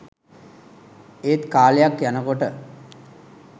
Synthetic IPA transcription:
eːt̪kaːlejakjanəkoʈə

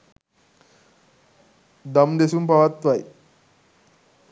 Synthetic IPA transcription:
d̪əmd̪esuːmpaʋat̪ʋaj

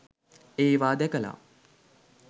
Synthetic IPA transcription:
eːʋaːd̪ɛkəla̰

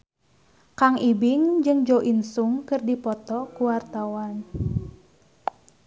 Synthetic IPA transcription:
kaŋʔibɪŋd͡ʒɨŋd͡ʒoʔinsuŋkɨrdipɔt̪ɔkuwart̪awan

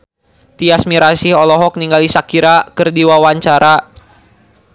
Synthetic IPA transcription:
t̪iasmiɾasihɔlɔɦɔk̚niŋɡalisakiɾakɨrdiwawaɲt͡ʃaɾa

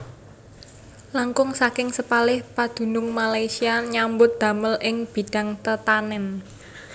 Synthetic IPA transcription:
laŋkʊŋsakɪŋsəpalɪhpad̪̥ṳnʊŋmalajsiaɲambʊt̪̚d̪̥ä̤məlʔɪŋb̥i̤ɖ̥a̤ŋt̪ət̪anɛn

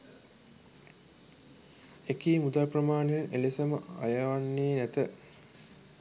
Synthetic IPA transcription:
ekiːmud̪alprɐmaːɳejɐnʔelisɐməa̰jɐʋanːeːnæt̪ə

